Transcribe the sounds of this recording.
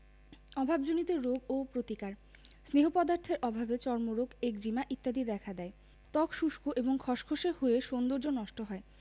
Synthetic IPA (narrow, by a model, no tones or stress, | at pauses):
ɔbʱabd͡ʑonit̪eɾoɡopɾot̪ikaɾ | sneɦopɔd̪aɾt̪ʰeɾʔɔbʱabet͡ɕɔɾmoɾoɡekd͡ʑimaʔit̪ːad̪id̪ɛkʰad̪ɛe | t̪ɔkʃuʃkoʔeboŋkʰɔʃkʰoʃehoeʃond̪oɾd͡ʑonːɔʃʈoɦɔe